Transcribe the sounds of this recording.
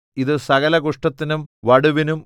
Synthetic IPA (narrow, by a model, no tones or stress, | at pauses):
iðɨsɐɣɐlɐɣuʂʈɐt̪ːinumʋɐɽuʋinum